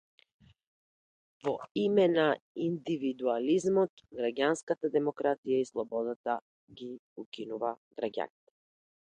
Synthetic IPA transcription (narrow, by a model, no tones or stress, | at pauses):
vɔimɛnaind̪ivid̪ualizmɔt̪ɡɾaɡʲanskat̪ad̪ɛmɔkɾat̪ijaislˠɔbɔd̪at̪a | ɡiukinuvaɡɾaɡʲa̰nit̪ɛ̥